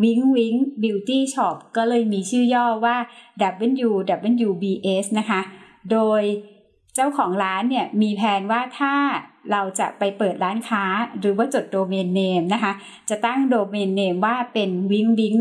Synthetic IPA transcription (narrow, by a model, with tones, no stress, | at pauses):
wi˦˥ŋwi˦˥ŋbi˧wt̪iː˥˩t͡ɕʰɔː˦˩p̚kɔː˥˩lɤː˧jmiː˧t͡ɕʰɯː˥˩jɔː˥˩waː˥˩dɛː˨˩p̚ʔɯ˧˥˨njuː˧dɛː˨˩p̚ʔe˧˥˨njuː˧biː˧ʔeː˦˥sna˦˥kʰa˦˥ | doː˧j | t͡ɕa˥˩wkʰɔː˩˦ŋɾaː˦˥nːi˥˩ɐmiː˧pʰɛː˧nwaː˥˩t̪ʰaː˥˩ɾa˧wt͡ɕa̰˨˩ʔpa˧jpɤː˨˩t̪̚ɾaː˦˥nkʰaː˦˥ɾɯː˩˦waː˥˩t͡ɕo˨˩t̪̚doː˧meː˧nːeː˧mna˦˥kʰa˦˥ | t͡ɕa˨˩t̪a˥˩ŋdoː˧meː˧nːeː˧mwaː˥˩pe˧nwi˦˥ŋwi˦˥ŋ